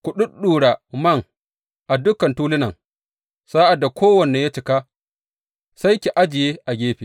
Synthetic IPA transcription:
kʷʊ˨ɗʊ˦ɗuː˨ɽa˨mɐ˦ŋ | ʔa˨dʊ˦kɐ˨ntuː˦lɪ˦nɐ˨ŋ | saː˦ʔa˨dːa˨kʰʷoː˦wɐ˨nːe˨ja˦t͡ʃɪ˨kaː˦ | sa˦jkʲi˨ʔa˦d͡ʒɪ˨jeː˦ʔa˨ɡʲeː˦ɸi˨

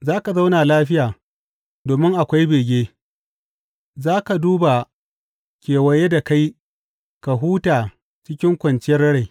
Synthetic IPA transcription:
zaː˦ka˨za˦wnaː˨laː˦ɸɪ˦jaː˨ | doː˨mɪ˦ŋʔa˨kʷa˦jbeː˨ɡʲeː˦ | zaː˦ka˨duː˦ba˨ | kʲeː˨wɐ˨je˦da˨ka˦j | ka˨ɦuː˦taː˨ | t͡ʃɪ˦kʲɪ˦ŋkʷɐ˨nt͡ʃɪ˦jɐ˦rɐ˦ɽe˨

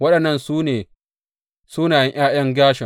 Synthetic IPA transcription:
wɐ˦ɗɐ˨nːɐ˦nsu˦neː˨ | suː˦naː˨jɛ˦ŋʔj̰aː˦j̰ɐ˦ŋɡʲaː˦ʃɪ˨

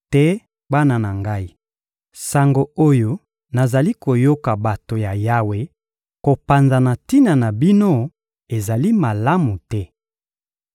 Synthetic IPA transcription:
tɛ˦ | ba˦na˨na˨ŋɡa˦i˦˨ | sa˨ŋɡo˨o˦jo˦ | na˨za˨li˦ko˨jo˦ka˨ba˨to˨ja˨ja˦we˦ | ko˨pa˨nza˨na˨ti˦na˨na˨bi˦no˦ | e˨za˨li˦ma˨la˦mu˨tɛ˦

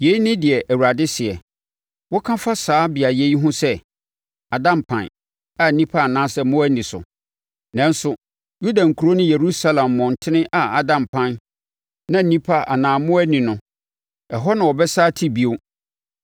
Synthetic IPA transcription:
je˨i˦nɪ̃˦dɪ˨ɛ˨ʔæ˨wu˨ɾa˨dɪ˦sɪ˨ɛ˨ | wɔ˦kʰã˦fa˦saː˨˦bɪ˨a˨je˦i˦ɦʊ̃˦sɛ˦ | a˨dã˨mpʰã̰˨n | a˨n̩˦nĩ˦pʰa˦a˨nãː˦sɛ˦mʊ̃˦æ˦nĩ˨sʊ̰˨ | nã˦n˦sʊ˨ | ju˦dã˨ŋ̩˨kʰu˨ɾo˦nʊ̃˦je˨ɾu˦sa˦lã˨mːɔ̃˨n˨tʰɪ˦nɪ̃˦ʔa˨a˦dã˨mpʰã˦n | nã˦n̩˨nĩ˦pʰa˦ʔa˨nãː˨mʊ̃˦æ˦nĩ˨nʊ̃˨ | ɛ˨ɦɔ˦nã˨wɔ˨bɛ˦saː˦tʰi˦bi˨o˦

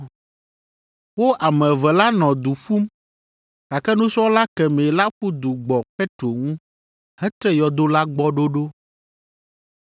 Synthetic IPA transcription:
wo˦ʔa˨mɛ̃˨vɛ˨la˦nɔ̃˨d̪u˨ɸu˦m | ka˨kɛ˦nũ˦sɔ˦wo˦la˦kɛ˨mẽ˨la˦ɸu˦d̪u˨ɡ͡bɔ˨pɛ˦t̪ɾo˨ŋũ˦ | hɛ˦t̪ɾɛ˦jɔ˨d̪o˦la˦ɡ͡bɔ˦ɖo˦ɖo˦

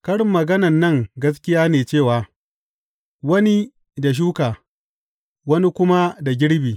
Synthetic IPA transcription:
kɐ˦ɽɪ˨mːɐ˨ɡɐ˦nɐ˨nːɐ˦˨ŋɡɐ˦s̬kʲɪ˦jaː˦neː˨t͡ʃeː˦˨waː˨ | wɐ˦ni˦ | da˨ʃ̬uː˦kaː˨ | wɐ˦ni˦kʷʊ˦ma˦da˨ɡʲɪ˦ɽbiː˨

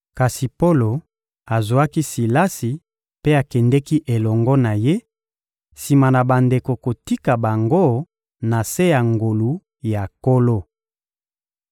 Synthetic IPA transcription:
ka˨si˨po˦lo˨ | a˨zo˨a˦ki˦si˨la˦si˨ | pe˦a˨kɛ˨ndɛ˦ki˦ʔe˨lɔ˨ŋɡɔ˦na˨je˦ | si˨ma˨na˨ba˨nde˨ko˨ko˨ti˦ka˨ba˨ŋɡo˦ | na˨se˦ja˨ŋɡo˨lu˨˦ | ja˨ko˦lo˦

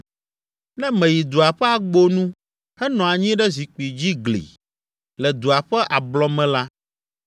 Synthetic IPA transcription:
nɛ̃˦mɛ̃˨ji˨d̪u˨a˨ɸɛ˦a˨ɡ͡bo˦nũ˦ | hɛ˦nɔ̃˨a˨ɲĩ˦ɖɛ˦zi˨k͡pi˨d͡ʑi˦ɡlḭ˨ | lɛ˨d̪u˨a˨ɸɛ˦ʔa˨blɔ˦mɛ̃˦la˦

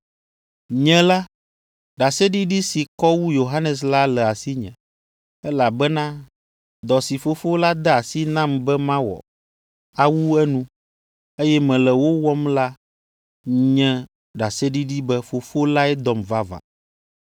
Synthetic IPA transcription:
ɲɛ̃˦la˦ | ɖa˨sɛ˦ɖi˦ɖi˦si˨kɔ˦wu˦jo˨ɦa˦nɛ˨s̬la˦lɛ˨a˨si˦ɲɛ̰̃˨ | ɛ˦la˨bɛ˦nã˦ | d̪ɔ˨si˨fo˦fo˦la˦d̪ɛ˦a˨si˦nã˦mbɛ˦mã˦wɔ̰˨ | a˨wu˦ɛ˦nũ˦ | e˦jɛ˦mɛ̃˨lɛ˨wo˦wɔ˦mla˦ | ɲɛ̃˦ | ɖa˨sɛ˦ɖi˦ɖi˦bɛ˦fo˨fo˦la˦ɛ˦d̪ɔ˨mva˦va̰˨

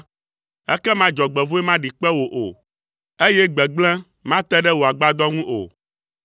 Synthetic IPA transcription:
ɛ˦kɛ˦mã˦d͡ʒɔ˨ɡ͡bɛ˨vo˦ɛ˦mã˦ɖi˨k͡pɛ˦wo˨ʔo˨ | e˦jɛ˦ɡ͡bɛ˨ɡ͡blɛ̃˦ | mã˦t̪ɛ˦ɖɛ˦wo˨a˨ɡ͡ba˦d̪ɔ˦ŋũ˦ʔo̰˨

